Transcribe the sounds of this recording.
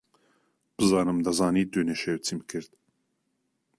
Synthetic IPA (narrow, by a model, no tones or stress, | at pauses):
b̥ɨzaːnɨmd̪azaːnid̪ønɛʃɛwt͡sʰimkʰɨɾd̪̥̚